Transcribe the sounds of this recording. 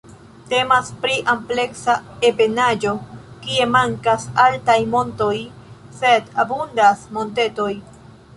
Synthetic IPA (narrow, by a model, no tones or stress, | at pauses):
te̞maspɾiʔample̞ksaepe̞nad͡ʒo̞kie̞maŋkasaltajmo̞nto̞j | se̞dabundasmo̞nte̞to̞j